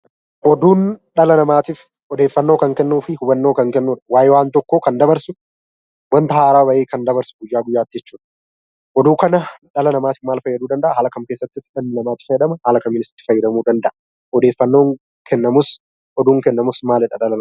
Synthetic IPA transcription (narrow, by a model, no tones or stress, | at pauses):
ʔɔd̪uːnᶑɐlɐnɐmaːt̪iːf | ɔd̪eːfːɐnːo̞ːkɐŋkɛnːuːfɪhʊbɐnːo̞ːkɐŋkɛnːuːᶑɐ̥waːjɪwaːnt̪ɔkːoːkɐnd̪ɐbɐɾsʊ | wɐnt̪ɐhaːɾaːbɐʔeːkɐnd̪ɐbɐɾsʊɡʊjːaːɡʊjːaːt̪ːɪd͡ʒɛt͡ʃːuːᶑɐ̥ | ʔɔd̪uːkɐnɐᶑɐlɐnɐmaːt̪ɪ̥fmaːlfɐjːɐd̪uːd̪ɐnd̪ɐʔahaːlɐkɐmke̞ːsːɐt̪ːɪsᶑɐlːɐnɐmaːt̪ːɪ̥fɐjːɛd̪ɐmɐhaːlɐkɐmːɪnɪsɪ̥t̪ːɪfɐjːɐd̪ɐmuːd̪ɐnd̪ɐʔɐ | ɔd̪eːfːɐnːo̞ːŋ | kʰɛnːɐmʊs | ɔd̪uːŋkɛnːɐmʊsmaːlɪᶑɐᶑɐlɐnɐ